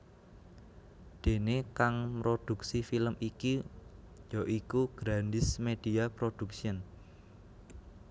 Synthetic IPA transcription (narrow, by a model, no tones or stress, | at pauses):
d̪̥e̤nekaŋmɾod̪̥uksifiləmiki | jɔʔikuɡ̥ɾandɪsmed̪̥i̤apɾod̪̥ṳksiən